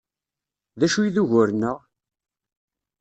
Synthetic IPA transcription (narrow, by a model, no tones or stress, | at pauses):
ðæʃujiðuʝʊɾənːəʁ